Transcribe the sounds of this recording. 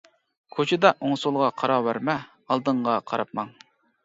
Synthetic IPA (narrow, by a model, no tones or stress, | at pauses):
kʰot͡ʃʰɪd̪ɑʔoŋsulˠʁɑqʰɑɾɑwæɾmɛ | ɑlˠd̪əɴʁɑqʰɑɾɑp̚mɑŋ